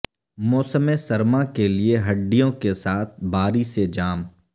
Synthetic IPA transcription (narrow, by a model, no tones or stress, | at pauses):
mɔːsəmesɐɾmãkelieɦɐɖːijõkesaːt̪̚ʰbaːɾised͡ʒaːm